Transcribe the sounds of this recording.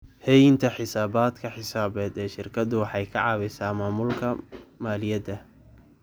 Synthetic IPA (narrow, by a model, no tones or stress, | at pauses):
hɛjɪnt̪ʰɐħɪsaːbaːd̪kʰɐħɪsaːbɛːd̪ɛːʃɪrkʰɐd̪ʊwɑħɑjkʰɐ̰ʕɑːβɛjsaːmaːmʊlkʰɐmaːlɪjɐd̪ɐ